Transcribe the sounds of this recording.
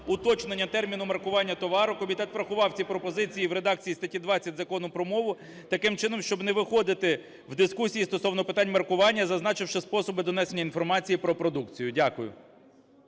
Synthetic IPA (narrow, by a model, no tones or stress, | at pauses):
ʊt̪ɔt͡ʃnenʲːɐt̪ɛrmʲinʊmɐrkʊʋɑnʲːɐt̪ɔʋɑɾʊkɔmʲit̪ɛt̪fɾɐxʊʋɑwt͡sʲipɾɔpɔzɪt͡sʲijiwɾed̪ɑkt͡sʲijist̪ɐtʲid̪ʋɑt͡sʲːɐt̚ʲzɐkɔnʊpɾɔmɔʋʊ | t̪ɐkɪmt͡ʃɪnɔmʃt͡ʃɔbneʋɪxɔd̪ɪt̪ɪ | wd̪ɪskusʲijist̪ɔsɔwnɔpɪt̪ɑnʲmɐrkʊʋɑnʲːɐzɐznɑt͡ʃɪwʃɪspɔsɔbɪd̪ɔnɛsenʲːɐinfɔrmɑt͡sʲijipɾɔpɾɔd̪ukt͡sʲijʊdʲakʊjʊ̰